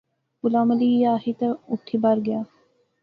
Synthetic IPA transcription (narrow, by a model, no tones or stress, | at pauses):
ɡʊlaːməliːjaːɦit̪ɐʊʈʰːibɐɾɡɐjaː